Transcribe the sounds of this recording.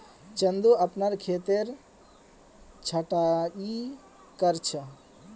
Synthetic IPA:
t͡ʃənd̪uəpnaɾkʰet̪eɾ | t͡ʃʰəʈai | kəɾt͡ʃʰə

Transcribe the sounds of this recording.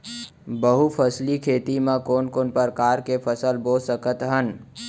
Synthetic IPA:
bəɦupʰəslikʰeːt̪imãkoːnkoːnpəɾkaːɾkepʰəsəlboːsəkət̪ɦən

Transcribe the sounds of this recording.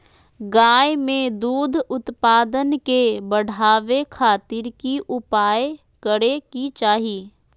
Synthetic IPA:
ɡaːjmẽd̪uːd̪ʱʊt̪paːd̪ənkebəɽ̤aːʋekʰaːt̪ɪɾkiʔʊpaːj | kəɽekit͡ʃaːɦiː

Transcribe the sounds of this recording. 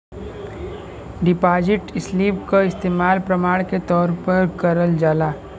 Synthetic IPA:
ɖɪpaːd͡ʒɪʈɪsliːpkaɪst̪eːmaːlpɾɐmaːɽ̃ket̪ɔːɾpɐɾkɐɾəld͡ʒaːlaː

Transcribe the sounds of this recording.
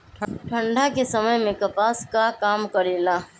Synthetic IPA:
ʈʰəʈʰə̃ɳɖʱakesɐməjmẽkɐpaːskakaːmkɐɾeːlaː

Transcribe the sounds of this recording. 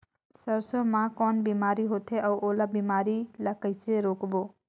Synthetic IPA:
səɾsomakɔnbimaɾiɦot̪ʰeʔəwʔolabimaɾiləkəjt͡sʰeɾokbo

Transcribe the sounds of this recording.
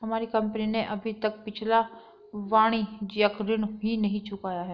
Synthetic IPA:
ɦɐmaːɾikɐ̃mpənineʔɐbʱit̪ɐk̚pɪt͡ʃʰla | ʋaːɽ̃id͡ʒiakɾɪñɦinɐɦĩt͡ʃʰʊkaːjaɦɛː

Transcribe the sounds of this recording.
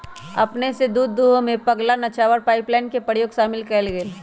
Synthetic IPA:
ɐ̰pnesed̪uːd̪ːuɦõmẽpɐɡlanɐt͡ʃaːʋəɾpaːɪplaːɪnkepəjoːɡʃaːmɪlkəlɡeːl

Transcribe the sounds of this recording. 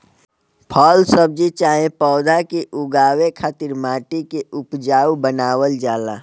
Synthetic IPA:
pʰɔːlsəb̚d͡ʒit͡ʃaːẽpɔːd̪ʱakeʔʊɡaːwekʰaːt̪ɪɾmaːʈikeʔʊpd͡ʒaːwbənaːwəld͡ʒaːla̰ː

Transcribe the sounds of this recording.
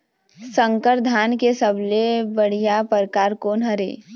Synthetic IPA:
sə̃ŋkəɾd̪ʱaːnkesəblebəɽ̤ijapəɾkaːɾkoːnɦɐɾḛː

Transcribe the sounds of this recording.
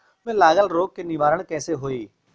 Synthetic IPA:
mẽlaːɠəlɾoːkkenɪʋaːɾəɽ̃kɛ̃ːseɦoːiː

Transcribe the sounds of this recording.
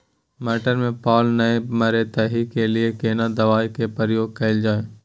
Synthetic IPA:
mɛːʈəɾmẽpaːlnɐemɐɾet̪ɐɦikeliekeːnad̪ɐʋaːikepəɾjoːɡ̚kɐɪld͡ʒaːeː

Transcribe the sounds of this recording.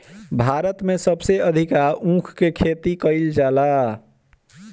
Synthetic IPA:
bʱaɾət̪mẽsəbseəd̪ʱikaɾũkʰkekʰet̪ikəɪld͡ʒala

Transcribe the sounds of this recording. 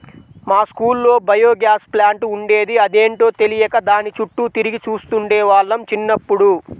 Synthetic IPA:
maːskuːlːo̞ːbɐjo̞ːɡjaːsplaːɳʈuɳɖe̞ːd̪iɐd̪e̞ːɳʈo̞ːt̪e̞lijɐkɐd̪aːnit͡ʃuʈːut̪iɾiɡit͡ʃuːst̪uɳɖɛːʋaːɭːɐmt͡ʃinːɐpːuɽu

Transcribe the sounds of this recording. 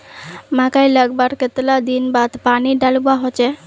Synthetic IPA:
mãkajləɡbəɾket̪lad̪inbad̪paniɖalbaɦot͡ʃɛ

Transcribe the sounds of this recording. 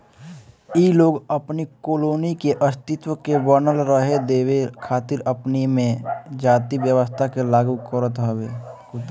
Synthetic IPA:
iloːɡəpnikoːloːnikeʔəst̪ɪt̪wəkebəɾnəlɾəɦed̪eːwekʰaːt̪ɪɾəpnimẽd͡ʒaːt̪iʋjəʋəst̪ʰakelaːɡukəɾət̪ɦəweː

